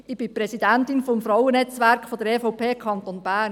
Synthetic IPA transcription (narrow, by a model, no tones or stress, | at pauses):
ɪb̥ipɾɛsidæntinfɔmfɾɔwənɛt͡sʋæɾkχfod̥̪əɾeːfɔʊpʰeːkʰɑnt̪onbæːn